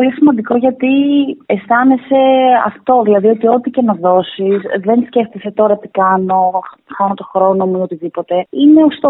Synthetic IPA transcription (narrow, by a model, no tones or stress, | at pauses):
olisimɐnd̪iko̞ʝɐt̪iest̪ɐnese̞ɐ̰ft̪o̞ðilɐðio̞t̪io̞t̪icenɐðo̞sizðe̞nsce̞ft̪ise̞t̪o̞ɾɐt̪i̥kɐno̞xɐnot̪o̞xɾo̞no̞muiot̪iðipo̞t̪eine̞ost̪o